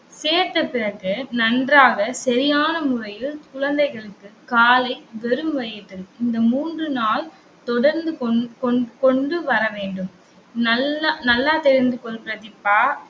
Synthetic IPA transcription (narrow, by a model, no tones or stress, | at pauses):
seːɾt̪ɐpɪɾɐkːɯnɐndraːɣɐsɐɾɪjaːnɐmʊrɐjɪlkʊɻɐnd̪ɐɪɣɐɭɯkːɯkaːlɐɪʋɛɾɯmʋɐjɪʈ̪ːɯɪnd̪ɐmuːndrɯnaːl | t̪ɔɽɐɾnd̪ɯkɔkɔɳɖɯʋɐɾɐʋeːɳɖɯm | nɐnɐlːaːt̪ɛɾɪnd̪ɯkɔɭpɪɾɐðɪpːaː